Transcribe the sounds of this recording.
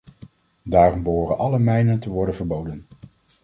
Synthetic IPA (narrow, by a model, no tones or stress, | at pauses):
daːrɔmbəɦʊːrənʔɑləmɛjnəntəʋɔɹdənvəɹbowdən